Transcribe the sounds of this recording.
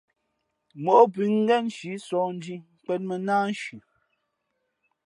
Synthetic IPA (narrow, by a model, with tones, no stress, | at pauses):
mo˨ʔo˦pi˨ŋ̩˦ɡɛ˦˨nʃi˨˦sɔː˨n̩˦di˦k͡pɛ˦t̚mə˨naː˦n˦ʃʉ˨